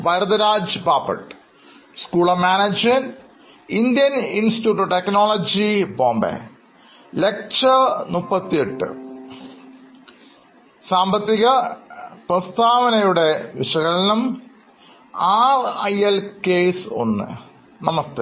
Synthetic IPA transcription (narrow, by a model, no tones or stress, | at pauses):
ʋɐjɾɐd̪ɐɾaːd͡ʑɨbaːpːɐ̰ʈː | skuːɭɐmaːnɐd͡ʑen | ind̪jɐninsiʈuːʈːoʈeknoːɭɐd͡ʑiboːmbḛ | le̞k̚t͡ɕɐnupːɐt̪ːijeʈːɨ̰ | saːmbɐt̪ːiɣɐprɐst̪ʰaːʋɐnɐjuɽe̞ʋiʂɐɣɐɭinum | aːrɐjelkeːso̞̰nːɨ̰ | nɐmɐst̪ɨ